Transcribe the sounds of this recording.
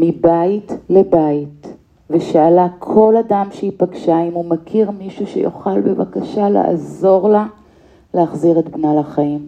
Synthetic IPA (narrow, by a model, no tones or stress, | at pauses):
mibaitlebait | veʃaːlakʰo̞ladamʃeipaɡʃaimumakʰiʁmiʃuʃḛjo̰χalbeva̰kaʃala̰a̰zo̞ʁla | leaχziʁetbnalaχaim